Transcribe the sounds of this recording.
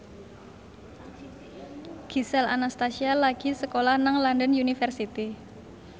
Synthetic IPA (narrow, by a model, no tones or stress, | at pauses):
ɡ̥i̤sɛla̰nast̪asialaɡ̥i̤səkolahnaŋlandənjunifərsit̪i